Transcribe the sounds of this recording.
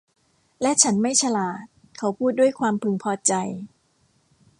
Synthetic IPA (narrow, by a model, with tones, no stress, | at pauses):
lɛ˦˥ʔt͡ɕʰa˦˥nma˥˩jt͡ɕʰa˧laː˨˩t̪̚ | kʰa˦˥wpʰuː˥˩t̪̚du˥˩əjkʰwaː˧mpʰɯ˧ŋpʰɔː˧t͡ɕa˧j